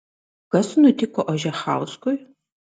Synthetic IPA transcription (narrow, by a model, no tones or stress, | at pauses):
ɡ̥ɐsɨnutʰiːkʷɔʔʷɔʒɐχa̰ːwskʷʼʊj